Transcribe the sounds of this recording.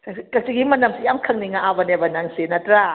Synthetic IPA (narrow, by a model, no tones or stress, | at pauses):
kak̚t͡ʃiɡimanamsijamkʰaŋniŋaʔabanebanaŋsenatɾa